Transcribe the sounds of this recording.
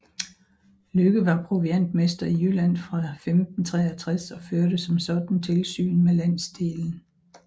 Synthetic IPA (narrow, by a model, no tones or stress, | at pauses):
løɡ̥əʋɑ̈pʰʁuʋien̰d̥mesd̥ɐiylæn̰fʁɑ̈femd̥n̩t͡sʰʁɛ̰ːɐt͡sʰʁasɒ̽føɐɾ̥əsɒ̽msɒ̽d̥n̩t͡sʰe̝lsy̰ːnmelæn̰sd̥e̝ːln̩